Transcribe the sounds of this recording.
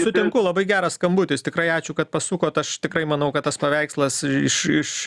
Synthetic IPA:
sʊt̪ʲɪŋkʊlˠɐbɐɪɡʲæːɾɐsskɐmbuːtʲɪst̪ʲɪkɾɐɪɑːt͡ʃʲʊkɐt̪̚pɐsuːkoːt̪ɐʃt̪ʲɪkɾɐɪmɐnɐʊkɐt̪ɐspɐʋʲɛɪkslˠɐsɪʃɪʃ

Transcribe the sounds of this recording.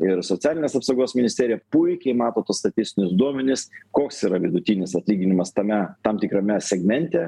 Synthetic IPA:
ɪɾsot͡s̪ʲæːlʲɪnʲeːsɐpsɐʊɡoːsmʲɪnʲɪsʲt̪ʲeːɾʲɪjɛpʊɪkʲɛɪmɑːt̪oːt̪uːst̪ɐt̪ʲɪsʲt̪ʲɪnʲʊsd̪uɔmʲɛnʲɪskoːksiːɾɐʋʲɪd̪ʊt̪ʲinʲɪsɐt̪ʲlʲiːɡʲɪnʲɪmɐst̪ɐmʲɛt̪ɐmt̪ʲɪkɾɐmʲɛsʲɛɡmʲɛnʲt̪ʲɛ

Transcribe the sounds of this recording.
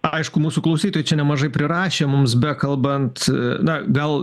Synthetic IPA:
ɐɪʃkʊmuːsʊklˠɐʊsʲiːt̪oːjɛt͡ʃʲɛnʲɛmɐʒɐɪpʲɾʲɪɾɑːʃʲeːmʊmsbʲɛkɐlˠbɐnt̪nɐɡɐlˠ

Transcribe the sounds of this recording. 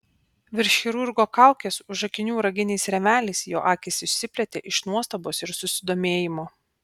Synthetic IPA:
ʋʲɪɾʲʃʲxʲɪɾʊɾɡoːkɑˑʊkʲeːsʊʒɐkʲɪnʲuːɾɐɡʲɪnʲɛɪsɾʲɛmʲæːlʲɛɪsjo̰ːʔɑːkʲɪsɪʃʲsʲɪpʲlʲɛt̪ʲḛːʔɪʃnuɔst̪ɐboːsɪɾsʊsʲɪd̪oːmʲeːjɪmoː

